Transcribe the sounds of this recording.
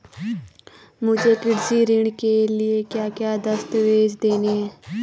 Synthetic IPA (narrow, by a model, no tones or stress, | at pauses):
mʊd͡ʒeːkɪɖziːɾɪɳkeːlɪeːkjaːkjaːd̪əst̪ʋeːd͡ʒd̪eːneːɛː